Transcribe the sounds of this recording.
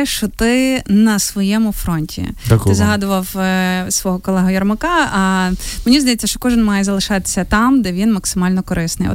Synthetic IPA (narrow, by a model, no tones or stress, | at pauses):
ʃt͡ʃɔt̪ɪnɐsʋɔjɛmʊfɾɔnʲtʲḭt̪ɪzɐɦɑd̪ʊʋɐwsʋɔɦɔkɔlˠɛɦɔjɐrmɐkɑɐmenʲizd̪ɐjɛt͡sʲːɐʃt͡ʃɔ̥kɔʒɪnmɑjɛzɐlˠɪʃɑt̪e̥sʲːɐt̪ɑmd̪ɛʋʲinmɐksɪmɑlʲnɔkɔɾɪsnɪ̰jɔ̰